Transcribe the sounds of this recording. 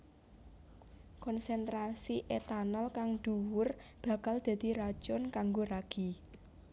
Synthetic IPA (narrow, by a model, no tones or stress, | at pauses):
kɔnsɛnt̪ɾasiʔet̪anɔlkaŋd̪̥ṳwʊrb̥a̤kald̪̥ä̤d̪̥i̤ɾḁt͡ʃʊnkaŋɡoraɡ̥i